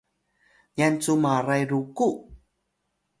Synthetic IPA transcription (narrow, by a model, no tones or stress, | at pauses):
jant͡sumaɾajɾuku